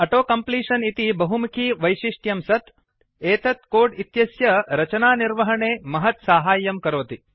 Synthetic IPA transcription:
ɐʈoːkɐmpliːʂɐnit̪ibɐɦumukʰiːʋɐjʃiʂʈjɐmsɐt̪ | eːt̪ɐt̪koːɖit̪jɐsjɐɾɐt͡ʃɐnaːniɾʋɐɦɐɳeːmɐɦɐt̪saːɦaːjːɐmkɐɾoːt̪i

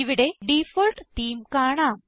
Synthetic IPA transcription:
iʋiɽe̞ɖifolʈtiːmkaːɳaːm

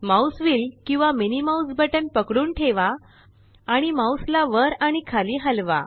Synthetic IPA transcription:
mawsʋiːlkĩw̃ʋaminimawsbəʈənpəkɽuːnʈʰeʋaː | ɽ̃imawslaʋəɾaɽ̃ikʰaliːɦəlʋa̰

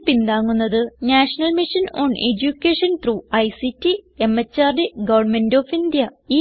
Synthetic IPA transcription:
pːind̪aːŋːunːɐðɨnaːʂɐnɐlmiʂɐno̰ːned͡ʑukːeːʂɐnt̪ruːɐjsitːie̞mːɐt͡ɕːaːrdeɡɐʋɐrɳmendoːfind̪jɐiː

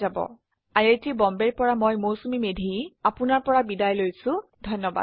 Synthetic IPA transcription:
zabɔ̰ | ajetibɔmbeɹpɔɹamojmowsumimedʱiapʊnaɹpɔɹabidajlojsʊ̃dʱɔnːɔba̰

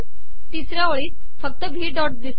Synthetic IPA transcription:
t̪isɾjaʋəɭiːs | fək̚t̪əbʱiːɖɔʈ̚d̪is

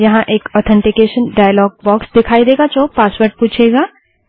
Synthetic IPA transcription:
jɐɦãʔeːkɔːt̪ʰɛ̃ɳʈɪkeːʃənɖaːjəlɔːɡ̚bɔːksd̪ɪkʰaːid̪eːɡat͡ʃoːpaːswəɾʈ̚puːt͡ʃʰeːɡaː

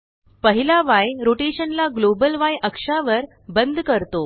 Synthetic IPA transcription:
pəɦilaʋajɾoʈeɕənlaɡlobəlʋajʔəkʂaʋəɾ | bənd̪ʱkəɾt̪o

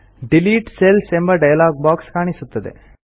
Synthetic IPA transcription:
ɖiliːʈselsembɐɖɐjɐlaːɡ̚baːkskaːɳisut̪ːɐd̪ḛ

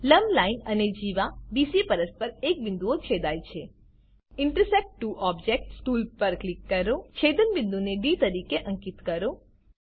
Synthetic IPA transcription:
ləmlainəned͡ʒiʋabisipəɾəspəɾek̚bɪnd̪uot͡ʃʰed̪ajt͡ʃʰe | ɪɳʈəɾsek̚ʈʈːuʔɔbd͡ʒek̚ʈsʈulpəɾklikːəɾot͡ʃʰed̪ənbɪ̃nd̪uneɖit̪əɾikeʔə̃ŋkit̪kəɾo

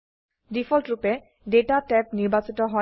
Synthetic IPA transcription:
difʰɔltɹupɛ | detatɛpniɹbasitɔɦɔ

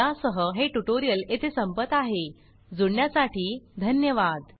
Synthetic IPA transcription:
asəɦəɦeʈuʈoɾijəlet̪ʰesəmpət̪aɦe | d͡zuɽɳjasaʈiːd̪ʱənjəʋad̪

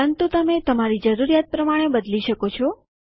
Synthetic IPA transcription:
ənt̪ut̪əmet̪əmaɾid͡ʒəɾuɾijat̪̚pɾəmaɽ̃ebəd̪liʃəkot͡ʃʰo

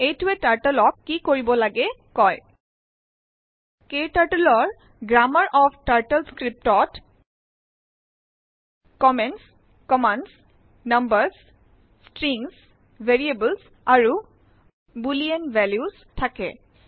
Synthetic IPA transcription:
ejtuetaɹʈəlɔkːikoɹibɔlaɡɛkɔj | ketaɹʈəlɔɹ | ɡɹaməɹʔɔfʈaɹʈəlskɹip̚tɔt | kɔmɛnts | kɔmans | nəmbəɹs | stɹiŋs | vʱeɹiebəls | aɹu | bulienvɛljus | tʰakɛ̰

